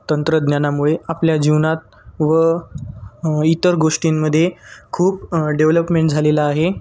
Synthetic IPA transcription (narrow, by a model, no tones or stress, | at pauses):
t̪ənt̪ɾəd̪njanamuɭeapljad͡ʑiʋnat̪̚ | ʋə | it̪əɾɡoʂʈimːəd̪ʱːjekʰuːpɖeʋləpmẽɳʈ̚d͡zʱalelaːɦe